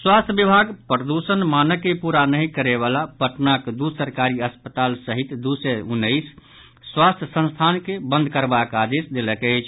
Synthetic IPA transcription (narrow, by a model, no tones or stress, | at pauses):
swast̪ʰjəbibʱaɡpɾəd̪usənmanəkːepuɾanəɦĩkəɾeβalapəʈnakd̪usəɾkaɾiəspət̪alsəɦit̪d̪usɛunːəjsː | wast̪ʰjəsə̃nst̪ʰankebə̃nd̪ʱkəɾbakad̪esd̪eləkəɪt͡ʃʰ